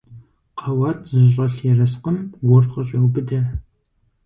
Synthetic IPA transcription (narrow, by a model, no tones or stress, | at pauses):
qʰɐwaːtʰzɨɕ̬ʼɐɬjɛrɐsqəmwʊrχɐɕʼewbɨdɐ